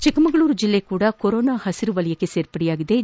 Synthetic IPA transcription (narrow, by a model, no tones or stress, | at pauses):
t͡ʃikɐmɐɡɐɭuːɾud͡ʒilːekuːɽɐkoɾoːnaːhɐsiɾuʋɐlɐjɐkːe̞se̞ːɾpɐɽɛjaːɡid̪e̞